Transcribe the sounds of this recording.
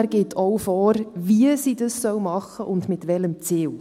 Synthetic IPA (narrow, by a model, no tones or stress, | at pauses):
ɾɡ̥eːtʰɔwfɔːɾviəsiːdɑssœwmɑχəʔʊndmɪtʋɛləmt͡siːw